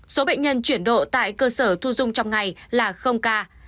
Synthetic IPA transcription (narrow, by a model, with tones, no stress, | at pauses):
so˨˦ɓḛ˧˨ɲə˧nt͡ɕwi˧˩ənɗo̰˧˨t̪a̰ː˧˨jkəː˧səː˧˩t̪ʰu˧zʊ˧ŋ͡mt͡ɕɔ˧wŋ͡mŋa˨˩jlaː˨˩xə˧wŋ͡mkaː˧